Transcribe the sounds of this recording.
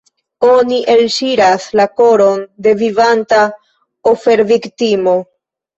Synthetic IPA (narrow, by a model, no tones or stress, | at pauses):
o̞niʔe̞lʃiɾaslako̞ɾo̞nde̞vivanta | ofe̞ɾviktimo̞